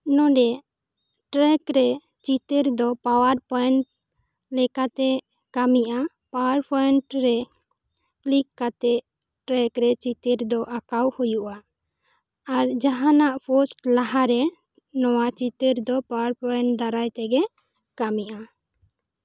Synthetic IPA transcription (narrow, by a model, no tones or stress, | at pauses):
nɔ̃ɖɛ | ʈɾɛkɾɛ | t͡ʃit̪əɾd̪ɔpawaɾpɔjɛɳʈ | lɛkat̪ɛ | kamiʔa | pawaɾpʰɔɛɳʈɾɛ | klikːat̪ɛʔ | ʈɾɛkɾɛt͡ʃit̪əɾd̪ɔʔakawhujuʔa | ɾd͡ʒaɦanaʔpʰɔsʈlaɦaɾɛ | nɔwat͡ʃit̪əɾd̪ɔpawaɾpɔɳʈd̪aɾajt̪ɛɡɛ | kamiʔa